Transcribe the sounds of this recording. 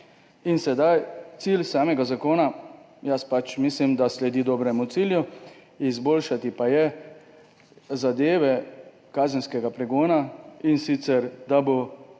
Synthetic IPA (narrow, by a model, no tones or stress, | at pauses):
insɛd̪ajt̪silsaːmɛɡazakoːna | jaspat͡ʃmislimd̪aslɛd̪iːd̪ɔːbɾɛmut̪siːlju | izboːlʃat̪ipajɛ | zad̪eːʋɛ | kaːzənskɛɡapɾɛɡoːnainsit̪sɛɾd̪abo